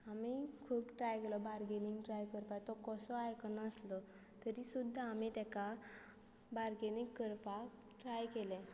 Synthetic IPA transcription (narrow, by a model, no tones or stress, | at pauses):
amikʰuːpʈɾajkelɔbaɾɡeniŋɡʈɾajkəɾpat̪ɔkɔsɔajkɔnəslɔ | t̪əɾisud̪ʱːaːmit̪aka | baɾɡenikːəɾpa | ʈɾajkelɛ̃